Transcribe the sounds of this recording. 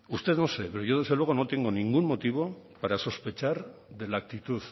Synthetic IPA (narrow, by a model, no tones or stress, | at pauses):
ust̪e̞ðnosepeɾoʝo̞ð̞e̞zðelwe̞ɣ̞ono̞t̪e̞ŋɡo̞niŋɡumːo̞t̪iβ̞o̞paɾaso̞spe̞t͡ʃaɾðe̞lak̚t̪it̪uð